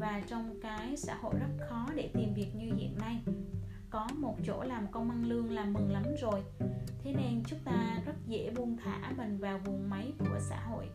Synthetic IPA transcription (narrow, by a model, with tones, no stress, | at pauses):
vaː˨˩t͡ɕɔ˧wŋ͡mkaː˨˦jsa̰ː˧˥ho̰˧˨jzə˦˥t̚xɔ˨˦ɗe˧˩t̪i˨˩mvi˨˩ək̚ɲɨ˧hḭ˧˨ənːa˧j | kɔ˨˦mo˨˩t̚t͡ɕo̰˧˥laː˨˩mkə˧wŋ͡mʔa˧nlɨ˧əŋlaː˨˩mːɨ˨˩ŋla˨˦mzo˨˩jt̪ʰe˨˦ne˧nt͡ɕʊ˦˥ŋ͡m̚t̪aː˧zə˦˥t̚zḛ˧˥ɓu˧əŋt̪ʰa̰ː˧˩ɓə˨˩ŋvaː˨˩wvu˨˩əŋma˨˦jku˧˩əsa̰ː˧˥ɦo̰˧˨jʔ